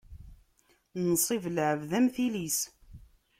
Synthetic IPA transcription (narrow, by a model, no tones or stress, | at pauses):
nsˤivlʕəvðæmθilis